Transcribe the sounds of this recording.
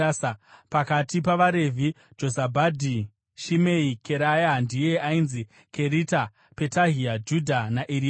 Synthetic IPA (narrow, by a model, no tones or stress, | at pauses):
spakatipaʋaɾe̞vʱi | d͡ʒo̞zabʱadʱi | ʃimeikeɾajandije̞ainzi | kʰe̞ɾita | pe̞taɦiad͡ʒudʱanaʔiɾi